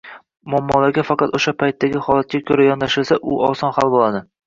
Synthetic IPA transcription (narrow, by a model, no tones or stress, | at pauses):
mɒmːɒlaɾɡʲafɑqɑt̪oʃapʰajt̪ʰːaɡʲɪχɒlˠat̪̚kʲakʲʰɵɾajɒnd̪aʃɪlsaʔʊɒsɒnhalˠbolˠad̪ɪ